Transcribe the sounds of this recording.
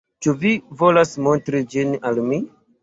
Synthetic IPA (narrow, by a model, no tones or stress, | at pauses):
t͡ʃuvivo̞lasmo̞ntɾid͡ʒinalmi